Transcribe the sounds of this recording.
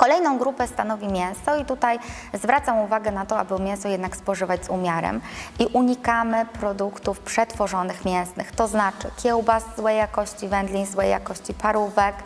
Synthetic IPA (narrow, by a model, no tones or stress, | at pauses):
kɔlɛjnɔ̃w̃ɡɾupɛst̪anɔvʲimʲjɛ̃w̃sɔit̪ut̪aj | zvɾat̪samuvaɡɛnat̪ɔa̰bɘmjɛw̃sɔjɛd̪nakspɔʐɘvad͡ʑzumʲjaɾɛ̰miʔuɲikamɘpɾɔd̪ukt̪ufpʂɛt̪fɔʐɔnɘxmʲjɛ̃w̃snɘxt̪ɔznat͡ʂɘ̰kʲʰɛwbaszzwɛjːakɔɕt͡ɕivɛnd̪lʲiɲzwɛja̰kɔɕt͡ɕipaɾuvɛk